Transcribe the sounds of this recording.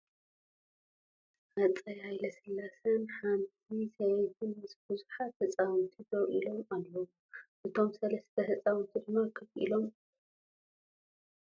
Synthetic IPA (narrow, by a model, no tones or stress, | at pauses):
hat͡sʼɐjhajlɐsɨlːasɐnħant̪̚ʰisɐjtɨnmɨsbɨzuħat̪hɨt͡sʼawɨnt̪ʰid̪ɐwʔilo̞malːɐwu | ʔɨt̪ʰo̞msɐlɐst̪ʰɐhɨt͡sʼawɨnt̪ʰɨd̪ɨmɐɾkʰɐβʔḭlo̞m